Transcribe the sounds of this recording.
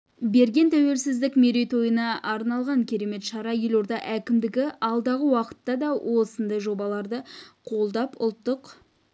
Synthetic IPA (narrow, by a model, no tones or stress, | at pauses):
be̞ɾɡʲe̞nt̪ʰæwe̞lsɪzd̪ɪkmeɾe̞jt̪ʰo̞jənɑɑɾnɑlˠʁɑŋkʲʰe̞ɾe̞me̞t̪ʃɑɾɑjelo̞ɾd̪ɑʔækʲɪmd̪ɪɡʲɪʔɑlˠd̪ɑʁəwɑqə̥t̪ːɑd̪ɑwʔo̞sənd̪ɑjʒo̞bɑlˠɑɾd̪əqʰo̞lˠd̪ɑpʊ̰lˠt̪ːəq